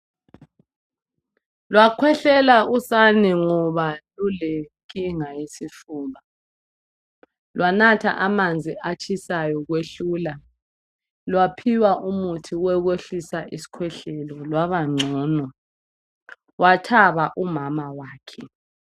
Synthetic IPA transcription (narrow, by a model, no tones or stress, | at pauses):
lwakʰwɛɬɛlausanɛŋɔβaluleŋkʼiŋajisifuːma | lwanatʰa̰ʔamand͡zʱiʔat͡ʃʼʰisajɔɣweɬuːla | lwapʰiwaʔumutʰiwɛɣweɬisaʔisi̥kʰwɛɬɛlɔlwaβaŋ͡ǀʱɔːnɔ | watʰaβaʔumamawaːkʰɛ